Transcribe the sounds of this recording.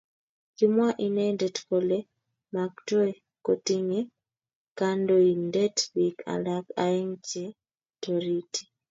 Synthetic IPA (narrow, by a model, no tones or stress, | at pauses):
kimwaʔinadetkole | maktwe | kotiɲe | kandoindetbika̰laka̰jeŋce | toɾitʰi̥